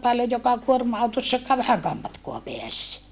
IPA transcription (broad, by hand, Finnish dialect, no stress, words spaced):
pɑljoj jokɑ kuormɑɑutosːɑkːɑː ʋæhæŋkæːm mɑtkoɑ peæs